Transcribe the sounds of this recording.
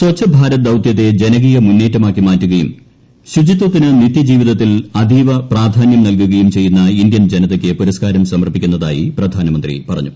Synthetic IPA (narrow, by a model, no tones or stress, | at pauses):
swɐt͡ɕːɐbʱaːɾɐd̪ɐwt̪jɐt̪ːe̞d͡ʑe̞nɐɣijɐmunːeːtːɐmaːkːimaːtːuɣɐjum | ɕud͡ʑit̪wɐt̪ːinɨnit̪ːjɐd͡ʑiːʋiðɐt̪ːilɐd̪ʱiːʋɐpraːd̪ʱaːnjɐmnɐlkuɣɐjumt͡ɕe̞jːunːɐind̪jɐnd͡ʑe̞nɐt̪ɐkʲːɨpuɾɐskaːɾɐmsɐmɐrpːikʲːunːɐða̰ːjḭprɐd̪ʱaːnɐmɐnd̪rḭpɐrɐ̰ɲːu